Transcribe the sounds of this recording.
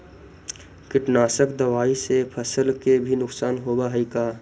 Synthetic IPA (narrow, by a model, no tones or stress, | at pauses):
kɪʈnaːsəkd̪ɐʋaːisepʰəsəlkebʱinʊksaːnɦoːbaɦəikaː